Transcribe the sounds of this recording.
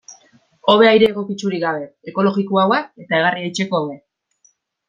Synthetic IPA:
o̞βe̞ajɾe̞ːɣ̞o̞kit͡suɾiɡaβe̞ːko̞lo̞ɣikoawae̞t̪ae̞ɣ̞ariejt͡ʃe̞ko̞awe̞

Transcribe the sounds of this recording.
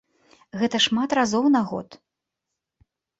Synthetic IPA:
ɣɛt̪ɐʂmat̪razɔwnaɣɔ̰t̪

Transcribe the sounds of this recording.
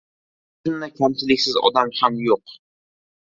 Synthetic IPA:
ʃʊnːakʲʰamt͡ʃ̪ɪlɪkʲsɪzɒ̰d̪amhamjoq

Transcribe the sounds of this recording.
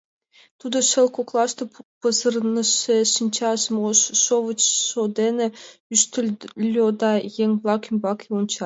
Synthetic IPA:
t̪ud̪ɤ̆ʃĕlˠkoklˠɑʃt̪ɤ̆ppɤ̆zɤ̆rnɤ̆ʃeʃinʲt͡ɕɑsmoʃːoʋə̆t͡ɕʃod̪enʲɘ̆yʃt̪ʲɘ̆lʲlʲːod̪ɑjeŋʲblˠɑkimʲbɑkeunt͡ɕɑ

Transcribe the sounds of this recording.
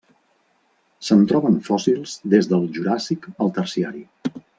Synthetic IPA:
sənt̪ɾɔβənfɔsilˠzd̪ezðəlˠʒuɾasikəlˠt̪ərsiaɾi

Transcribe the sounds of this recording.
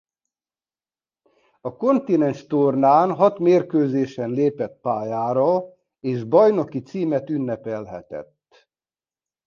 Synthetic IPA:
ɒko̞nt̪inɛnʃt̪ornaːnɦɒt̪meːrkøːzeːʃɛnleːpɛt̪̚paːjaːɾɒ | eːʒbɒjno̞kit̪siːmɛt̪ynːɛpɛlɦɛ̰t̪ɛ̰t̪ː

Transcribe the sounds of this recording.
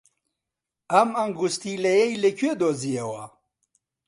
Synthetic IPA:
ɐmɐŋɡust̪ilɐjejlekwed̪ozijewa̰

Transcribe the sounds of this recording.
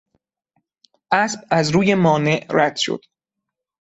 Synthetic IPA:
ʔæsb̥̚æzɾuːje̞mɒːne̞ʔɾæd̪̥ʃo̰d̪̥

